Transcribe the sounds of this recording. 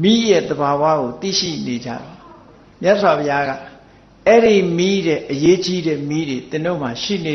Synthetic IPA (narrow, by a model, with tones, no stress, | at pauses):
mi˦jɛ˦˨d̪əba˨wä̰˦˨ɡo˨t̪ḭ˦˨ʃḭ˦˨ne˨d͡ʑä̰˦˨d̪a˨ | mja˦ʔswa˨pʰɪja˦ɡa̰˦˨ | ɛ˦ɾi˨mi˦ɾɛ˦˨ʔəje˦t͡ɕi˦ɾɛ˦˨mi˦ɾe˨t̪ɪ̃˨no˦˨m̥a˨ʃḭ˦˨ne˨